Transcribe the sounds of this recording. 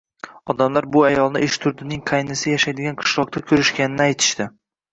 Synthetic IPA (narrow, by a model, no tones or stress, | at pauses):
ɒd̪amlaɾbʊajɒlˠnɪʔɪʃt̪ʰʊɾd̪ɪnɪŋqʰɑjnɪsɪjaʃajd̪ɪɡʲanqʰɨ̥ʃlˠɒq̚t̪akʲʰɵɾɪʃkʲanɪnɪajt̪ʰɪ̥ʃt̪ɪ